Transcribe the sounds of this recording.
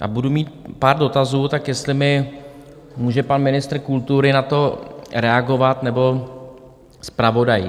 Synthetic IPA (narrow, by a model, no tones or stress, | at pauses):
ʔa̰budumiːt̪̚paːɾdo̞t̪azuːt̪akjɛst̪lɪmɪ | muːʒɛpanmɪnɪst̪ɾ̩kult̪uɾɪnat̪o̞ɾɛaɡo̞vat̪nɛbo̞ | spɾavo̞daj